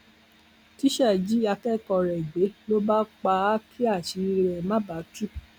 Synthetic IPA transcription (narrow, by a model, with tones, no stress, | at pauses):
ti˦ʃɛ˦˨d͡ʒi˦a˧kɛ˦˨kɔ˧˨ɾɛ˨i˨ɡ͡be˨˦lo˦ba˦k͡pa˧˦kʰi˦a˦˨ʃi˧˦˧ɾɛ˨mã˦ba˨˦tu˦